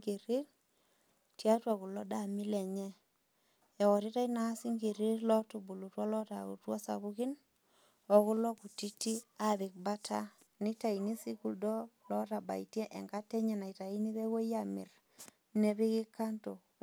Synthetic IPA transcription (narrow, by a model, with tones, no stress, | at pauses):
ɡe˨ɾi˦ɾ | tja˦twa˨ku˨lɔ˦da˨mi˦lɛ˨ɲɛ˦ | ɛ˨wɔ˨ɾi˦ta˦i˦na˨˦si˦ŋɡe˨ɾi˦ɾlɔ˦tu˨bu˨lu˨twɔ˦lɔ˦ta̰˨kṵ˨twa˦sa̰˨βu˦ki˦n | ɔ˨ku˦lɔ˦ku˨ti˦ti˦a˦bi˨k̚ba˦tʰa̰˦ | ni˦ta˨i˨ni˦si˦ku˨ldɔ˦lɔ˦ta˨ba̰˨i˨tjɛ˦ʔɛ˨ŋɡa˦tɛ˦ɲɛ˨na˨i˨ta˨i˦ni˦βe˦ɡo˦ja˨mḭ˨ɾ | ne˦bi˦kɪ˦ka˦nto˨